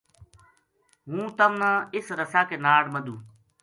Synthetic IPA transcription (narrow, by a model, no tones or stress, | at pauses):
ɦũːt̪əmnãːɪsɾəsaːkeːnaːɽməd̪uː